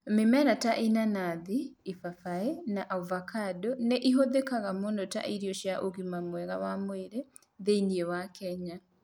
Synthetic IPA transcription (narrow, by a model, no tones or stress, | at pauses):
memɛɾataʔinanaðiifafaenaʔauvakadɔneʔiɦoðekaɣamondɔta̰ʔiɾiɔʃjaʔoɣimamwɛɣawamweɾɛ | ðeiniɛwakɛɲa